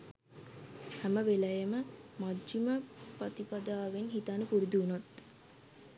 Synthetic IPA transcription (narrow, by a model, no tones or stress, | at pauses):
hæməʋelɐjəməmad͡ʒd͡ʒiməpɐt̪ipɐd̪aːʋenɦit̪anupuɾid̪uːnot̪